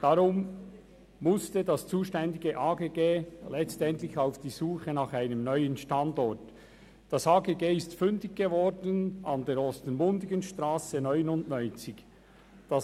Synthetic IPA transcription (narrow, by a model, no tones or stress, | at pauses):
d̥ɑɾʊmː | ʊstədɑst͡suːʃtɛndɪɡəʔaːɡeːɡeːlɛt͡stɛntlɪçaʊfd̥iːzuːχənɑχaɪnəmnœʏənʃtɑndɔt | d̥ɑsaːɡeːɡeːɪstfʏndɪɡ̚ɡ̥evɔdənɑndeːɾɔstənmʊndɪɡənʃtɾaːsənœʏnʊndnœʏnt͡sɪç | d̥ɑ